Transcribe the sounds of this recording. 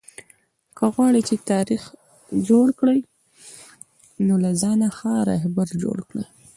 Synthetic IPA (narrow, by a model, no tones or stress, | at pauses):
kəɣwɑɽit͡ʃet̪ɑɾix | d͡ʒoɽkɽəj | nolazɑnaxɑɾa̰ɦbaɾd͡ʒo̰ɽkɽə̰j